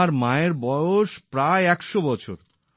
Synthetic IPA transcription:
aɾmaeɾbɔjoʃpɾaeɛkʃobɔt͡ɕʰo̰ɾ

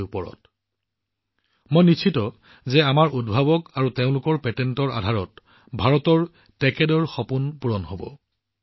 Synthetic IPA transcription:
jupɔɹɔ̰t | mojnit͡ʃʰitɔ | zɛamaɹʔudbʱabɔkaɹuteʊ̃lʊkɔɹpɛtɛntɔɹa̰dʱaɹɔt | bʱaɹɔtɔɹ | tɛkɛdɔɹxɔpunpuɹɔnɦobɔ̰

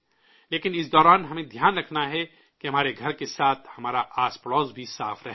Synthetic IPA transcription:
leːkɪnɪsd̪ɔːɾaːnɦɐmẽd̪ʱjaːnɾɐkʰnaɦɛ | keɦɐmaːɾeɡʱɐɾkesaːt̪ʰhɐmaːɾaʔaːspɽɔːzbʱisaːfɾɐɦeː

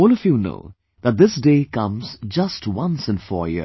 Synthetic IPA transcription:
ɔːlˠʌvjuno̰ʊ | ðət̚d̪ðɪsdeɪkʌ̃mz̥d͡ʒʌstwʌ̃nsɨ̃nfɔ̰ːɹjɪ̰

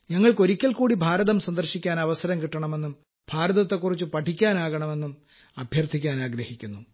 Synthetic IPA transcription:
ɲɐŋːɐɭko̞ɾikʲːɐlkuːɽibʱaːɾɐðɐmsɐnd̪ɐrɕikʲːaːnɐʋɐsɐɾɐmkiʈːɐɳɐme̞nːum | b̥ʱaːɾɐðɐt̪ːe̞kːurit͡ɕːɨpɐʈʰikʲːaːnaːɣɐɳɐme̞nːum | ɐbʱjɐrt̪ʰikʲːaːnaːɡɾɐhikʲːunːu

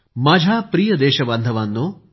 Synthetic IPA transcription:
maːd͡ʑʱapɾiːjəd̪eːɕɐbɐnd̪ʱəʋanːoː

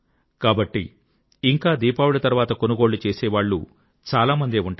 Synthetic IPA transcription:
kaːbɐʈːḭː | ŋkaːd̪iːpaːwulɐt̪ɐɾʋaːt̪ɐko̞nuɡoːɽɭut͡ʃeːsɛːʋaːɭːṵ | t͡ʃaːlaːmɐnd̪eːuɳʈa

